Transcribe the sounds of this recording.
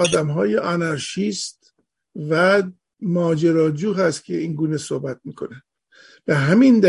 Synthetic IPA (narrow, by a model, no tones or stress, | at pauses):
ɒːd̪æmɦɒːjeʔɒnæɾʃist̪ | væ | mɒːd͡ʒeɾɒːd͡ʒuːɦæst̪cʲʰeiːnɡuːnesohbæt̪̚miːkʰo̞næ | b̥eɦæmind̪æ